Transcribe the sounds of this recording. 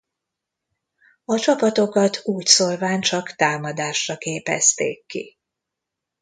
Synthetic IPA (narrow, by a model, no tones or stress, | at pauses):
ɒt͡ʃɒpɒt̪o̞kɒt̪ʰuːcsolvaːɲt͡ʃɒkt̪aːmɒd̪aːʃrɒkeːpɛ̰st̪ḛːkːḭ